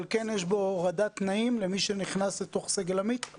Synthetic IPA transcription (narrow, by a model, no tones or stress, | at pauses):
lke̞njeʃbo̞ʁad̪at̪naimle̞miʃe̞niχnaslet̪o̞χseɡelamit̪